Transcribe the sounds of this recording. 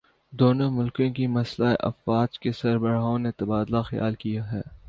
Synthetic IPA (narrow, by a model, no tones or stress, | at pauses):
d̪oːnomʊlkõkimɐslaeʔɐ̰fɾaːd͡ʒkesɐɾbəɾaːõnet̪ɐbaːd̪laxɐja̰ːlkijaɦɛː